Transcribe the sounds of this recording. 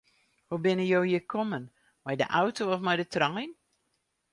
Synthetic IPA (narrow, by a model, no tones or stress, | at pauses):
hubɪnəjoːjəkʰɔmən | mɛjdə̰ʔawtʰoɔfmɛjdətrɑŋin